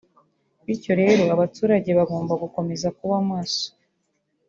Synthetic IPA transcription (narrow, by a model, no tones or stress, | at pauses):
βiɾco̞ɾe̞ːɾo̞aβatuːɾaɟe̞βaɡo̞ːmbaɡuko̞me̞zakuβamaːso̥